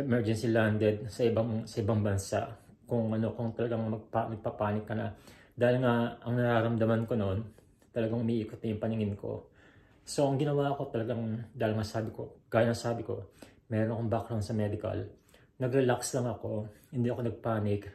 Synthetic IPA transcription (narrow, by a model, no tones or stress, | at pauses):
ʔɛmɛɹd͡ʒɛnsiland̪ɛd̪̚sɐʔɪbasɐʔɪbaŋbɐnsa̰ʔ | kʊŋʔɐno̞kʊŋt̪ɐlɐɡaŋmɐɡ̚panɐɡ̚papaːnɪkːɐnɐ̰d̪aːhɪlŋaʔɐŋnɐɾaːɾɐmd̪ɐmanko̞noon | t̪ɐlɐɡaŋʔʊmiːʔiːkot̪̚nɐjʊŋpɐnɪŋɪnko̞̰ | so̞ʔɐŋɡɪnɐwaʔko̞t̪ɐlɐɡaŋd̪aːhɪlŋasaːbɪko̞ɡ̥aːjɐnːɐŋsaːbɪko̞̰mɛɾonɐkoŋbakɾɐnsɐmɛd̪ɪkɐ̰l | nɐɡɾɛlakslɐŋɐko̞hɪnd̪iʔɐko̞nɐɡ̚paːnɪk